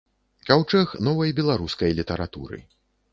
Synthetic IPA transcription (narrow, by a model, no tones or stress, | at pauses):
kawt͡ʂɛxnɔvɐjbʲɛlˠaɾuskɐjlʲit̪ɐɾat̪ṵɾɨ̰